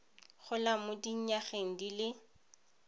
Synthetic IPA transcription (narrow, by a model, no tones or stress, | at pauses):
χʊlamʊdiɲ̩ɲaχeŋ̩dilɪ